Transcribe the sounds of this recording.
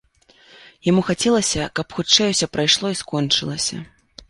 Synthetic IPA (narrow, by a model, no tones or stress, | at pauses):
jamuxat͡sʲɛlˠɐsʲɐkɐpxutt͡ʂɛjuwsʲɔpɾajʂlˠɔiskɔnt͡ʂɨlˠɐsʲɐ̰